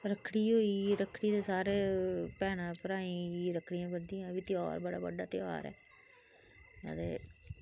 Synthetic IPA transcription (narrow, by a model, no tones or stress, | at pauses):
ɾəkʰːɽiːɦoːiːɾəkʰɽiːd̪eːsaːɾeːpɛːnãːpəɾaːĩːiɾəkʰɽijãːbəd̪ijãbiːt̪ɪja̰ːɾbəɽa̰ːbə̰ɖaːt̪ɪja̰ːɾɛ̰ː | a̰ːd̪ḛː